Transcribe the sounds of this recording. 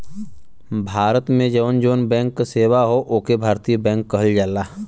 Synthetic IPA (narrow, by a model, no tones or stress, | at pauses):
bʱaːɾət̪mẽd͡ʒəʋnd͡ʒoːnbɛ̃ːŋkːseːwaɦoʔoːkebʱaːɾt̪ijbɛ̃ːŋkːəɦəld͡ʒaːlaː